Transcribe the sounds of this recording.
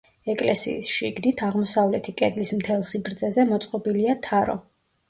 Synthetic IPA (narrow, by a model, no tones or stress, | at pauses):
ɛkʼlɛsḭːsʃḭɡd̪it̪ʰaʁmɔsavlɛt̪ʰikʼɛd̪lismt̪ʰɛlˠsiɡɾd̪zɛzɛmɔt̪sʼqʼɔbiliat̪ʰaɾɔ̰